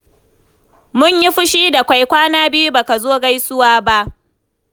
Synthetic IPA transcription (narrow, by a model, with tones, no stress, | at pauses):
mʊ˦ɲji˦ɸʊ˦ʃiː˦da˨kʷa˦jkʷaː˦naː˦bɪ˦ju˦ba˨ka˨zoː˦ɡa˦jsʊ˦waː˦ba˦ʔ